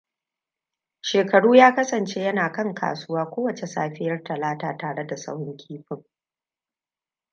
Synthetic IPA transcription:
ʃeː˨kɐ˨ɽuː˦jaː˦kɐ˦sɐ˨nt͡ʃe˦jɐ˦naː˨kɐ˦ŋkʰa̰ː˨sʊ˦waː˦kʷoː˦wɐ˨t͡ʃe˨sa̰ː˦ɸɪ˦jɐ˦rtɐ˨laː˦taː˦taː˨ɽe˦da˨sɐ̰˦whɪ˦ŋkʲʰiː˦ɸɪ˨ŋ

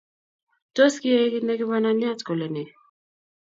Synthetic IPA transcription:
to˦ski˦e˦ki˦nɛ˦ki˦βa˦na˦ni˦a˦t͡skɔ˨lɛ˨nɛ˨

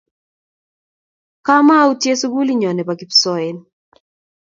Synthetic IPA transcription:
ka˦ma˦u˦tje˦su˦ɡu˦li˦ɲɔ˨nɛ˨paki˨psɔɛn

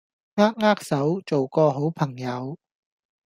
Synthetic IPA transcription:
ŋaː˥k̚ŋaː˥k̚sɐ˨˥wt͡so˨wkɔː˧ɦo˨˥wpʰɐ˨˩ŋjɐ˨˧w

